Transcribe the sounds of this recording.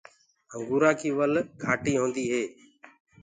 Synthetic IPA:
əŋɡuːɾãːkʰiːʋəlɡʱaːʈiːɦõːnd̪iːɦeː

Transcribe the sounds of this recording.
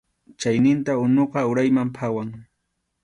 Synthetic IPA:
t͡ʃajnɪnt̪aʊnoqɑʊɾajmampʰawaŋ

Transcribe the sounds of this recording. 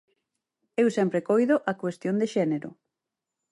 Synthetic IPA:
ewsɛmpɾekojðʊʔɐkwest̪jond̪eʃɛneɾʊ̰

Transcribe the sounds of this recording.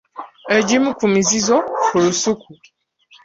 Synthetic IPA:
ed͡ʒimũkumizizɔfuɾusukʰu

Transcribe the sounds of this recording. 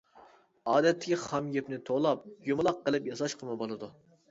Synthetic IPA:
ɑːd̪ɛt̪ʰːɪ̥kʲiχɑmjepnɪt̪ʰolˠɑp̚jumɨlˠɑqːəlˠɨpjɑsɑʃqʰəmɨbolˠɨd̪u

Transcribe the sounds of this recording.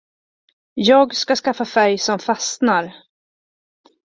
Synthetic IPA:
jɑːɡskaskafːafæɾjsɔmfasnaɾ

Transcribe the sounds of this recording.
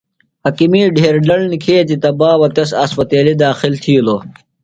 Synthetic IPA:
hɐkimiːɖʱeːɾɖɐlnikʰeːt͡ɕ̪it̪ɐbaːwɐt̪ɐsɐspɐt̪eːlid̪aːxilt̪ʰiːloː

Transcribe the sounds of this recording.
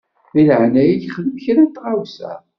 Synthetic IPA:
iləʕnæjiʝχðəmçɾænt̪ːʁawsæ̰

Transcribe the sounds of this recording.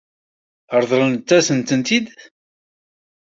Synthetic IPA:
əɾˤðˤɾˤənt͡s̪ːæsənt̪ənt̪id̪

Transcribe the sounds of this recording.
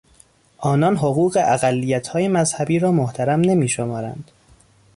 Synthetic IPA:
ʔɒːnɒːnɦoɣuːɢe̞ʔæɣælːijæt̪ʰhɒːjemæzhæbiːɾɒːmoht̪ʰæɾæmne̞miːʃomɒːɾæ̰nd̪̥

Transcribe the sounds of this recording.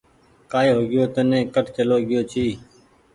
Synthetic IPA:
kaːjːɦoːɡɪjoːt̪ənẽːkəʈt͡ʃəloːɡɪjoːt͡ʃʰiː

